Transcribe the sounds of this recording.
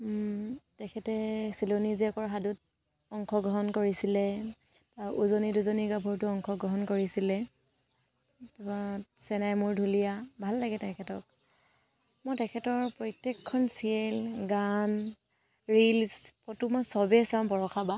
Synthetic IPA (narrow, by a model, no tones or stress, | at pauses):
tɛkʰɛtɛsiloniziɛkɔɹɦadʊt | ɔŋkʰɔɡɹɔɦɔnkoɹisilɛ | taʔuzoniduzoniɡabʱɔɹtʊɔŋkʰɔɡɹɔɦɔnkoɹisilɛ | tubasɛnajmʊɹdʱulijabʱalːaɡɛtɛkʰɛtɔk̚ | mojtɛkʰɛtɔɹpɹɔjtekʰːɔnsiɛlɡan | ɹilspɔtumasɔbɛsaɔnbɔɹɔxʰaba